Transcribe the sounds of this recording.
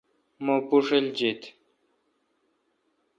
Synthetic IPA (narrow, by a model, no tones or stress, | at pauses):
mopuʂeld͡ʑit̪